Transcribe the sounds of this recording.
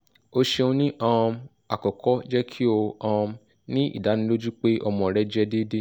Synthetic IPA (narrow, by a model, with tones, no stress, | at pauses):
o˧ʃe˧õ˧nĩ˦ʔã˦˧ | a˨kɔ˨kʰɔ˦d͡ʒɛ˦kʰi˦o˧ã˧ | nĩ˦ḭ˦˨da˨˦nĩ˦lo˦d͡ʒu˦k͡pe˦ʔɔ˧mɔ̃˨ɾɛ˦d͡ʒɛ˦de˦de˦